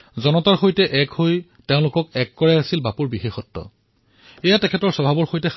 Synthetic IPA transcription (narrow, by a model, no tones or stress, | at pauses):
zɔnɔtaɹxojtɛʔɛkhoj | teʊ̃lʊkɔkɛkːɔɹɛasilbapuɹbixexɔtːɔ̰ | ɛjatɛkʰɛtɔɹsɔbʱabɔɹxojtɛ